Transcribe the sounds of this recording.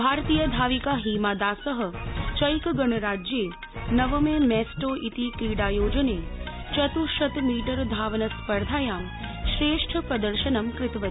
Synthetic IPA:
bʱaɾt̪ijəd̪ʱaːʋikaɦimad̪asəɦə̆t͡ʃə̃jkɡəɳəɾaːd͡ʒje | nəʋəmemɛsʈoʔit̪ikiɽajoːd͡ʒəne | t͡ʃət̪uʃət̪miːʈəɾd̪ʱaːʋnəspəɾd̪ʱaːjaːm | ʃɾeːʂʈʰəpɾəd̪əɾʃənəmkɾɪt̪ʋə

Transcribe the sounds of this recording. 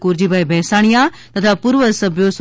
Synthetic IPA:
kuɾd͡ʒiːbaebɛːsaːɽ̃ijãːt̪ɐt̪ʰapʊɾʋəsəbjos

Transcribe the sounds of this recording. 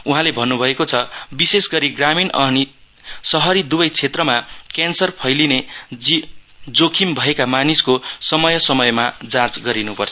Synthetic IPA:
uɦãlebʱʌnːubʱʌekot͡sʰʌbisesɡʌɾiɡraminʌni | sʌɦʌɾid̪ubʌjt͡sʰet̪rʌmakansʌrpʰʌjlineid͡zokʰimbʱʌekamaniskosʌmʌjʌsʌmʌjmad͡zãt͡sɡʌɾinupʌrt͡sʰʌ

